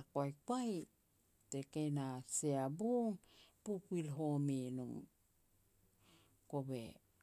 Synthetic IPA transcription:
akajkwaj | tekejnaseabuŋpukuilɦominuŋ | kobḛ

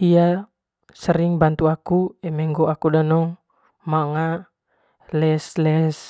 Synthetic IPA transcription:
ia | səɾiŋbant̪uakuɛmɛŋɡɔakudanɔŋ | maŋa | lɛslɛs

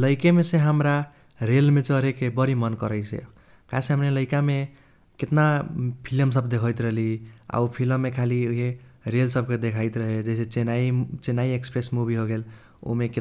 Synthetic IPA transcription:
ləɪkemesẽɦəmɾa | ɾelmet͡ʃəɾekebəɾimənkəɾəjt͡ʃʰḛ | kasẽɦəmneləɪkame | ket̪napʰiləms̬əbd̪ekʰəjt̪ɾəɦlia̰upʰiləmːekʰalioɦeɾelsəb̚ked̪ekʰaɪt̪ɾəɦed͡ʒeset͡ʃenait͡ʃenaiekspɾesmubʱiɦoɡel | o̰meke

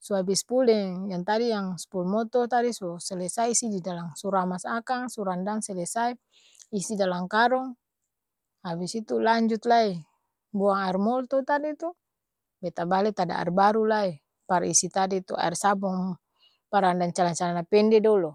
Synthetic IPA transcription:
suabispulɛŋjaŋt̪adijaŋspulmɔt̪ɔt̪adisɔsɛlɛsaisididalaŋsuɾamasakaŋsuɾandaŋsɛlɛsai | isidalaŋkaɾɔŋ | abisit̪ulaɲd͡ʒut̪lai | buaŋaɛrmɔlt̪ɔt̪adit̪u | bɛt̪abalɛt̪ada̰a̰rbaɾulai | paɾisit̪adit̪ua̰rsabɔŋ | paɾandaŋt͡ʃalaɲt͡ʃalanapɛndɛdɔlɔ

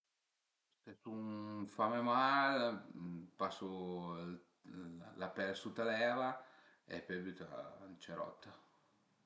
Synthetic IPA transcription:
st̪ɛsunfamemal | paso | lapɛlsut̪alɛːva | ɛ̰pːɛbut̪a̰nt͡ʃɛɾɔ̰t̪ːa

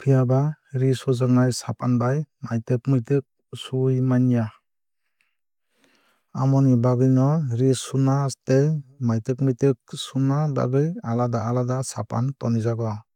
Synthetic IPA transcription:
pʰijabaɾisɔzaŋnajsapʰanbajmajtɯkmɯjtɯk̚ | sujmanija | amɔnibaɡɯjnɔɾisunastemajtɯkmɯjtɯk̚sunaba̰ɡɯjaladaːladasapʰantɔnizaɡɔ

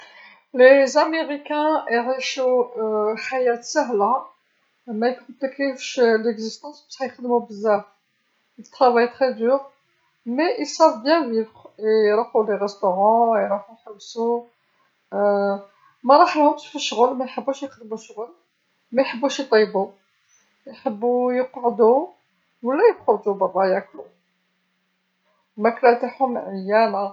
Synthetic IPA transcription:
lezameʁikæ̃iʁiʃu | ħajæt̪sæɦla | mæjkɔ̃plikefʃleɡzist̪ɑ̃sbæ̥ʃhæjqəd̪mubəzːæf | ət̪ːχɑvajt̪χɛd̪yʁ | meʔilsævbjæ̃vivʁeɾˤɑfuleʁɛst̪oʁɑ̃jɾˤɑħujħəwːsu | mæɾˤɑħlhʊmʃfəʃːɣəlmæjħəbːuʃjəqd̪əmuʃɣəl | mæjħəbːuʃjt̪ˤɑjbu | jħəbːujəqʕd̪u | wəlːæjəqod̪ubɑrˤːɑjæklu | mæklæt̪aħʊmʕəjːæna

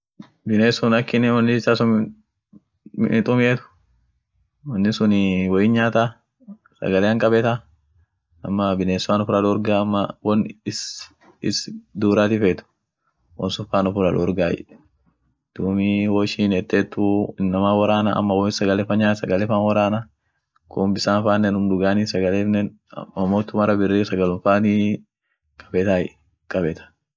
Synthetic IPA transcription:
bɪneːsʊnɐkːɪnɪwɔnːɪsasʊn | ɪt̪ʼʊmɪʔeːt̪ʊ̥ | wɐnːɪsʊnwɔjɪnɲaːt̪a | sɐ̰ɡɐleːɐŋkʼɐbɛt̪a | ɐmːɐbɪneːsʊaːnʊfʊɾaᶑʊɔɾɡaːɐmːɐwɔnɪs | ɪsd̪uːɾaːt̪ɪfeːt̪ʊ̥ | wɔ̰nsʊfaːnʊfʊɾɐᶑʊɔɾɡaːjɛ̰ | d̪̥uːmiwoːʃiːnɛt̪ːeːt̪ːʊɪnːɐmaːwɐɾaːnɐ̰ʔɐ̰mːɐwɔsɐɡɐlɛfɐɲaːsɐɡɐlɛfaːnwɐɾaːnɐ | kʰʊmbɪsaːnfaːnːɛnʊmd̪ʊɡaːniːsɐɡɐleːfnɛn | ɐmoːt̪ːʊmɐɾɐbɪrːiːsɐɡɐlʊnfaːni | kʼɐ̥bɛt̪aːjɛ̰ | kʼɐbɛt̪ɐ̥

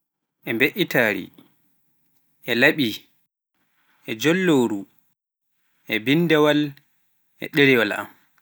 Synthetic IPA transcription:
ʔɛmbeʔitaːɾḭ | ʔɛlaɓi | ʔɛd͡ʒɔlːoːɾu | ʔɛbindɛwal | ʔɛ̰ɗɛɾiwala̰m

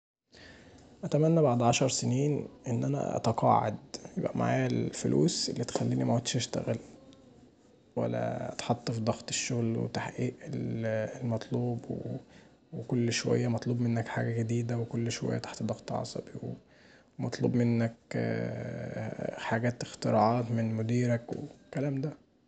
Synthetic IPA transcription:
ʔæt̪æmænːæbaʕd̪ʕɑʃɑɾˤseniːnʔenːʔænæ̰ʔɑ̰t̪ɑqɑ̰ʕḛd̪jebʔæma̰ʕa̰ːjælfolʔṵːselːit̪e̥xælːiːnimæwot̪ʃʔæʃt̪æ̰ɣæl | wæ̰lːæ̰ʔɑ̰t̪ħɑt̪ˤːfid̪ˤɑxt̪ˤe̥ʃːoɣlwḛt̪aħʔiːʔelelmɑt̪ˤluːbwe | wekolːʃowæ̰jːæmɑt̪ˤluːbmenːækħaːɡæɡed̪iːd̪æwekolːʃowæ̰jːæt̪ḁħt̪d̪ˤɑxt̪ˤʕɑ̰sˤɑ̰biwe | wemɑt̪ˤlṵːbmenːæk | ħaɡæːt̪ext̪eɾˤɑʕɑːt̪menmod̪iːɾækwḛkælæːmd̪æ

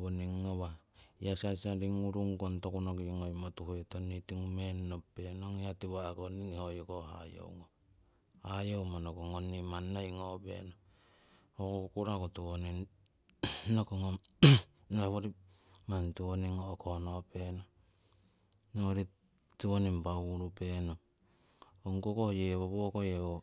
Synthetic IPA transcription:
βoniŋːowajasajsaɾiŋuɾuŋkontokunokiŋojmotuhetonitiŋumenːopːenoŋatiwakoniŋhojokoha̰jo̰wŋo | hajowmanokoŋonːimanːojŋobe̞̰no | hokokokuɾakotuonin | nokoŋo | noeβoɾimantuoniŋoːkʰonopeno | noɾi | tionimpauɾupeno | oŋkokohjeβoβokojeo

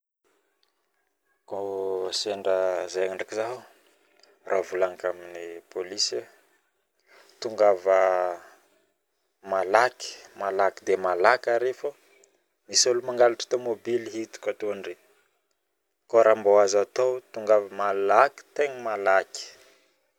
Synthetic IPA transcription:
koseɳɖ͡ʐəzejaŋaɳɖ͡ʐakizaɦu | rʔavulaŋəkaminipolisə | t̪uŋɡavə | malaki̥malakid̪emalakaɾefə | misolumaŋɡalaʈ͡ʂḁt̪omobiliɦit̪u̥kat̪oaɳɖ͡ʐi | koɾambowazat̪owt̪uŋɡavəmalaki̥t̪eŋimalaki̥

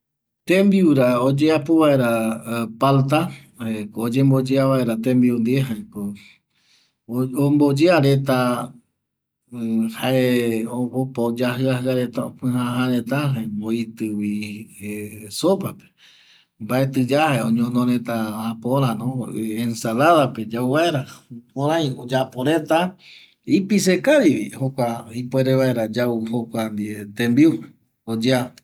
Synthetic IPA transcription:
t̪ẽmbiuɾaod͡ʒeapoβae̞ɾapalt̪a | ekoːd͡ʒembod͡ʒeaβae̞ɾat̪ẽmbiund̪ieɦaeko | ombod͡ʒeaɾet̪̬a | haeoopod͡ʒaɦɨaɦɨaɾe̞t̪ao̰pɨ̃ɦãɦãɾẽt̪aɦaeboit̪ɨwi | sopape̥ | mbaet̪ɨd͡ʒahaeõɲõnõɾẽt̪aapoɾ̃ãnõensalaðape̞d͡ʒauβae̞ɾapõɾãj̃od͡ʒapoɾe̞t̪a | ipis̬ekaɾiβihokʷaipwe̞ɾeβaeɾad͡ʒauhokʷand̪iet̪embiup | od͡ʒa

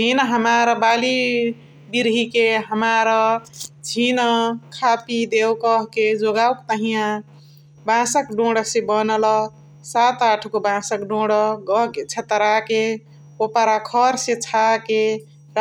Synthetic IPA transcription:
d͡ʒinɦəmaɾəbali | biɾɦikeɦəmaɾəd͡ʒʰʱinkʰapid̪ewkəɦked͡ʒoɡawkt̪əɦijã | bãsəkɖõɽsebənəlɔ | sat̪aʈʰkobãsəkɖõɽəɡʌɦket͡ʃʰet̪ɾake | opaɾakʰʌɾsẽt͡ʃʰake | ɾ

